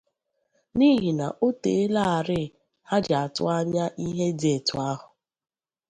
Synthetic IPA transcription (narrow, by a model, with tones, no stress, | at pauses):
ni˦ɦi˨na̰˨ʔo˦te˨e˦la˦a˨ɾɪ˦˨ | ha˦d͡ʒa˨a˨tʊ̰˦a˦ɲa˦ʔi˦ɦe˦de˨tʊ˨a˦ɦʊ˨